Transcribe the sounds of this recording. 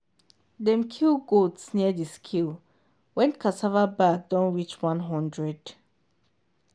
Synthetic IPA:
dɛ̃mkʰilɡotsniədiskʰil | wɛ̃nkʰatʰavabak̚dɔ̃nwit͡ʃwãnɦãndɹɛd̥

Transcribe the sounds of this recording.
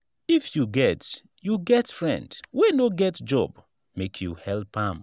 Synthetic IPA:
ifjuɡɛt | juɡɛtfɹɛ̰̃ndwenoɡɛtd͡ʒɔ̰b | mekʰjuhɛlpãm

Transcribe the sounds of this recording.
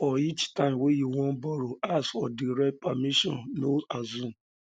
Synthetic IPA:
ɔit͡ʃtãmwejiwɔ̃bɔɾoasfɔdiɾɛpamiʃɔ̰̃nnoazũ

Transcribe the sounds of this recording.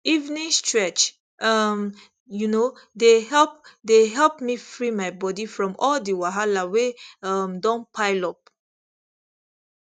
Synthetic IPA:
ivnĩŋstɹɛt͡ʃ | ʔʌm | juno | deɦɛlp̚deɦɛlpmifɹimajbɔdifɹɔ̃mɔldiwaɦalaweʌmdɔ̃npʰaɪlɔp̚

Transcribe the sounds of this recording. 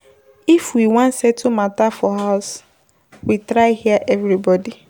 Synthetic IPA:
ifwiwãnsɛtʰumatafɔɦaʊs | witɾaɪhiaʔɛvɾibɔdi

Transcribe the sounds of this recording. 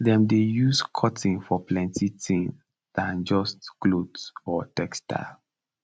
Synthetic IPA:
dɛ̃mdejuskʰɔtĩŋfɔplɛ̃ntʰitʰĩŋ | dãnd͡ʒɔstklodsɔtɛkstʰa̰l

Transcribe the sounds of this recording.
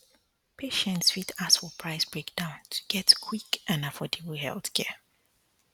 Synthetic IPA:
pʰeʃɛ̃ntsfitasfɔpʰɹ̥aɪsb̥ɹekd̥ãʊ̃ntʰə̥ɡ̥ɛtkʰw̥ikʔãnafɔtʰiblihɛ̰lˠθkʰɛ

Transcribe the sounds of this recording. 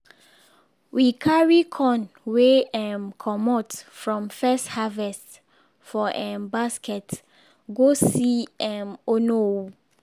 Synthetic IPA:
wikʰaɹikʰɔ̃nweɛ̃mkʰɔmɔtfɹɔ̃mfɛsthavɛst | fɔʔɛ̃nbaskʰɛt | ɡosiɛ̃mono

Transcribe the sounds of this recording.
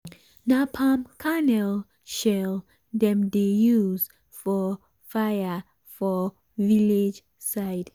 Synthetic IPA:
napʰãmkʰanɛl | ʃɛl | dɛ̃mdejuz | fɔ | fajə | fɔ | viled͡ʒ | saɪd̥

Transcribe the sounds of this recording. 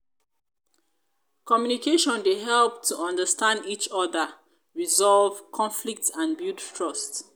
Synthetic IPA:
kɔmjunikeʃɔ̃ndeɦɛlp̚tʰuʔɔ̃ndəstãndit͡ʃɔðə | ɹizɔlvkʰɔ̃nflik̚tãnbjuttʰɹɔst

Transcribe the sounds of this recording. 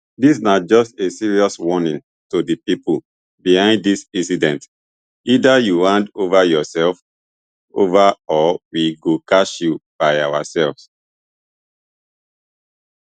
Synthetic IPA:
dis̬nad͡ʒɔstesiɹiɔswɔnĩn | todipipul | bihãɪ̃nddisĩnsidɛ̃nt | idajuɹãndovajɔsɛlf | o̰vaɔwiɡokaʃjub̥aɪawasɛlvs

